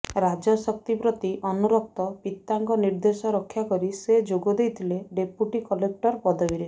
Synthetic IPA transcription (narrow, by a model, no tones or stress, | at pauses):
ɾad͡ʒɔsɔk̚t̪ipɾɔt̪iʔɔnuɾɔk̚t̪ɔpit̪ːaŋkɔniɾd̪esɔɾɔkʰːjakɔɾised͡ʒoɡɔd̪ejt̪ʰileɖepjuʈikɔlek̚ʈɔɾpɔd̪ɔiɾe